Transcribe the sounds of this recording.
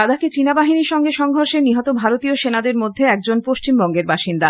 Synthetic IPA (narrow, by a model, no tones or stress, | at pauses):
ad̪aket͡ɕinabaɦiniʃɔŋɡeʃɔŋɡʱoɾʃeniɦɔt̪obʱaɾot̪ioʃenad̪eɾmod̪ʱːeɛk̚d͡ʑonpoʃt͡ɕimbɔŋɡeɾbaʃind̪a